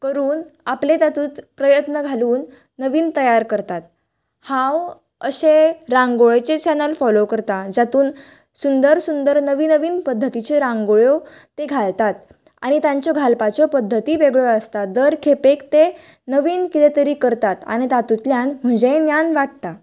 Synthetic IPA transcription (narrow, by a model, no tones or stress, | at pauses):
kəɾuːnaplet̪at̪uːt̪pɾəjət̪nəɡʱaluːnː | əʋiːnt̪əjaɾkəɾt̪at̪̚ | hãw | əɕeɾãŋɡoɭet͡set͡ɕɛnəlfɔlokəɾt̪ad͡zat̪uːn | sund̪əɾsund̪əɾnəʋiːnəʋiːnpəd̪ʱːət̪it͡ɕeɾãŋɡoɭjot̪eɡʱalt̪at̪ | a̰ɽ̃it̪jaɲt͡ɕjɔɡʱalpat͡ɕɔpəd̪ʱːət̪iʋeɡɭɔəst̪ad̪əɾkʰepekt̪e | nəʋiːnkit̪et̪əɾiːkəɾt̪at̪a̰ñit̪at̪ut̪ljanm̤əd͡ʑẽnjanʋaʈ̚t̪a